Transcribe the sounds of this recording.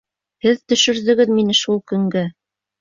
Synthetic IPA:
hɘðt̪ɵ̆ʃɵ̆ɾðɵ̆ɡɘðminɘʃulˠkɵ̆ŋɡɘ

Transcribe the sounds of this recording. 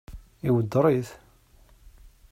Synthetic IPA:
iwəd̪ɾˤiθ

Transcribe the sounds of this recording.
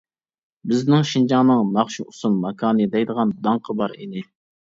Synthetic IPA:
bɪznɪŋʃind͡ʒɑŋnɨŋnɑχʃuusunmɑkʰɑːnɨd̪ɛjd̪əʁɑnd̪ɑŋqʰəbɑɾinɪ

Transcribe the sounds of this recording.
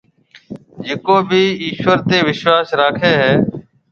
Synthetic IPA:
d͡ʒɪkoːbʱiːiːʃʋəɾt̪eːʋɪʃwaːsɾaːkʰeːɦɛː

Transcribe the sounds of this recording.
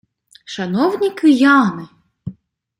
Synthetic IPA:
ʃɐnɔwnʲikɪjɑnɪ

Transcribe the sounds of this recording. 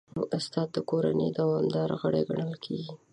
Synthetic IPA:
noʔast̪ɑt̪̚d̪əkoɾa̰ned̪awɑmd̪ɑɾaɣəɽeɡaɳəlkʰeɡi

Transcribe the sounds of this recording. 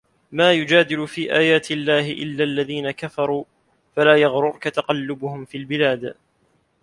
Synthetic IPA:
maːjʊd͡ʒaːd̪ɪlʊfiːʔaːjaːt̪ɪlːaːhɪʔɪlːaːʔlːaðiːnakafɑɾˤuː | falaːjɑɣɾʊɾkat̪aqɑlːʊbʊhʊmfiːlbɪlaːd̪

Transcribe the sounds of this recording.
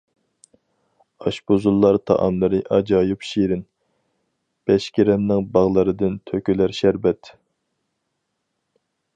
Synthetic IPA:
ɑʃbozulˠːɑɾt̪ʰɑ̰ʔɑ̰mlˠɨɾɨʔɑd͡ʒɑjupʃiɾɪn | b̥ɛʃkʲiɾɛnːɪŋbɑʁlˠɨɾɨd̪ɨnt̪ʰøkʲylæɾʃæɾbɛt̪

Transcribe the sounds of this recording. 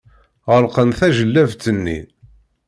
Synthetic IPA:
ʁəlqənθæʒəlːævt͡sːənːḭ

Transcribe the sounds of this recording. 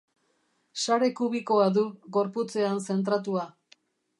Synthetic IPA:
saɾe̞kuβ̞iko̞aðuɣo̞ɾput͡se̞anse̞nt̪̬ɾat̪̬ua

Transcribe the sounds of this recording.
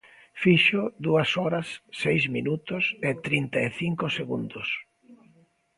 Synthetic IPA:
fiʃʊðuɐsɔɾɐsːejzminut̪ʊset̪ɾint̪ɐeθiŋkʊseɣund̪ʊs

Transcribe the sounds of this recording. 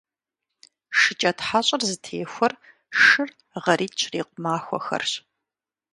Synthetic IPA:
ʂɨt͡ʃʼɐtħaːɕʼɐrzɨtʰeːxʷɔr | ʂɨr | ʁɐɾiːt͡ʃʰriːqʷʊmaːxʷɔ̰xɐ̰rɕ

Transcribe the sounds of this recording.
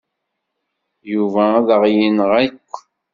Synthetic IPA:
juvæðəʁjinəʁækʷː

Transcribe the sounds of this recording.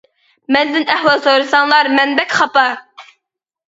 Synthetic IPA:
mɛzd̪ɪnɛhwɑlˠsoɾɨsɑŋlˠɑɾmɛnbɛkʲχɑpɑ

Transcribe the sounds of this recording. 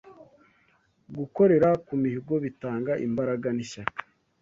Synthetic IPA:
ɡuko̞ɾe̞ɾakumihiɡo̞βitaːŋɡaʔḭmbaɾaɡaniʃakḁ

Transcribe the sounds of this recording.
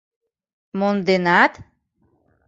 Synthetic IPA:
mond̪enat̪

